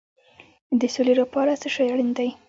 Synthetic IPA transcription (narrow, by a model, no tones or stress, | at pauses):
d̪əsolelapɑɾat͡səʃajaɽind̪aj